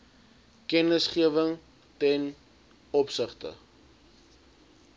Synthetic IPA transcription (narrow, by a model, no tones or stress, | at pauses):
kɛnəsχiəvəŋ | tɛn | ɔpsəχtə̰